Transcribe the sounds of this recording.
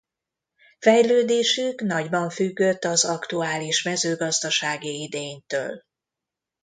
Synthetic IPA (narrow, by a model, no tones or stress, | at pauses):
fɛjløːd̪eːʃykn̪ɒɟbɒɱfyɡːø̞t̪ːɒzɒkt̪uaːliʃmɛzøːɡɒzd̪ɒʃaːɡiid̪eːɲt̪ø̰ːl